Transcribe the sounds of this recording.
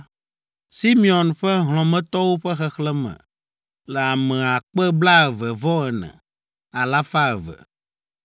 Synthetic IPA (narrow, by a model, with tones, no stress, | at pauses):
si˦mi˦ɔ˨nɸɛ˦ɦl̃ɔ̃˨mɛ̃˦t̪ɔ˦wo˦ɸɛ˦xɛ˦xlɛ˦mɛ̰̃˨ | lɛ˨a˨mɛ̃˨a˨k͡pɛ˦bla˦ɛ˨vɛ˨vɔ˦ɛ˨nɛ̰̃˨ | a˨la˦fa˦ɛ˨vɛ̰˨